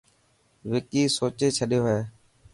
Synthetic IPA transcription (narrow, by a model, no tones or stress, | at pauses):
ʋɪkiːsoːt͡ʃeːt͡ʃʰəɗjoːɦeː